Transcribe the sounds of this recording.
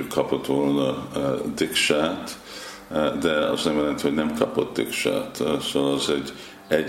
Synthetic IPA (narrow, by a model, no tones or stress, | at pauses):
ykʰːɒpot̪ʋolnɑd̪ikʃaːt̪ | d̪ɛɒ̰znɛmjɛlɛnt̪ihonɛmkʰɒpot̪̚d̪ɪ̰kʃa̰ːt̪soʋlɑzɛɟ | ɛ